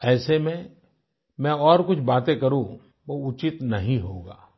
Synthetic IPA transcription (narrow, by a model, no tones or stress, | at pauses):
ɛːsemẽ | mɛ̃ɔːɾkʊt͡ʃʰbaːt̪ẽkɐɾũ | ʋoʊt͡ʃɪt̪nɐɦĩɦoːɡa̰ː